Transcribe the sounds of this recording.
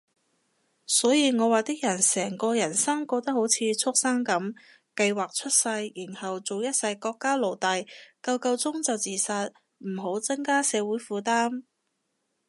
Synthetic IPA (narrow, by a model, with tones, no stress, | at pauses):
sɔː˨˥jiː˨˧ŋɔː˨˧waː˨˩t̪ɪ˥k̚jɐ˨˩nsɛː˨˩ŋkɔː˧jɐ˨˩nsɐ˥ŋkɔː˧k̚t̪ɐ˥k̚ho˨˥wt͡sʰiː˧t͡sʰʊ˥k̚sɐ˥ŋkɐ˨˥m | kɐ˧jwaː˨k̚t͡ʃʰɵ˥t̚sɐ˧jji˨˩nhɐ˨wt͡so˨wjɐ˥t̚sɐ˧jkɔː˧kːaː˥lo˨˩wt̪ɐ˨jkɐ˧wkɐ˧wt͡sʊ˥ŋt͡sɐ˨wt͡siː˨sɐ˧t̚ | m̩˨˩ɦo˨˥wt͡sɐ˥ŋkaː˥sɛː˨˧wuː˨˥jfuː˨˧t̪aː˥m